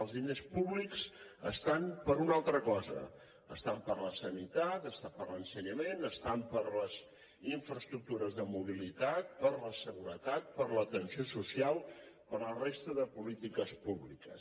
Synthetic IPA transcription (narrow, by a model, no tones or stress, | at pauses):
əlˠzðinespuβlikzəst̪ampəɾunalˠt̪ɾəkɔzə̰ | əst̪ampəɾləsənit̪at̪əst̪apəɾlənsəɲəmenəst̪ampəɾləz | iɱfɾəst̪ɾuk̚t̪uɾəzðəmuβ̞ilit̪at̪̚pəɾləsəɣuɾət̪at̪̚pəɾlət̪ənsiosusialˠpəɾəlˠrest̪əðəpulit̪ikəspuβlikəs